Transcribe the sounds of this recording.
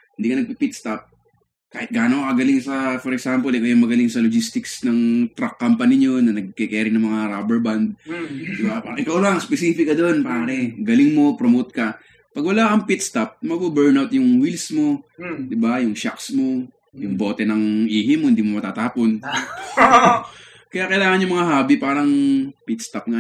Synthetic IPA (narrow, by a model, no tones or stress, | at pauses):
hhɪnd̪iːkɐnɐɡ̚pipit̪̚st̪ap̚ | kaːhɪt̪̚ɡaːnokɐɡɐlɪŋsɐfɔɾɛksampolɪkojɐŋmɐɡɐlɪŋsɐlod͡ʒist̪ɪksnɐŋt̪ɾɐkːampɐnɪɲo̞nɐnɐɡ̚kɛkɛːɾɪnɐŋmɐŋaɾabɛɹband̪̚d̪ɪbapaːɐʔɪkawlaŋspɛsiːfɪkːɐd̪o̞npaːɾɛɡɐlɪŋmo̞pɾomowt̪̚kɐ | pɐɡ̚wɐlaːkɐŋpit̪̚st̪ɐp̚mɐɡbubɛɹnawt̪̚jʊŋwilsmo̞d̪ɪbajʊŋʃa̰ksmo̞ | jʊŋbo̞ːt̪ɛnɐŋʔiːɦɪmohnd̪iːmomɐt̪aːt̪aːpon | kɐjaːkɐjlaːŋɐnɲjʊmɐŋaɦaːbɪpaːɾɐŋpit̪st̪ɐp̚ŋa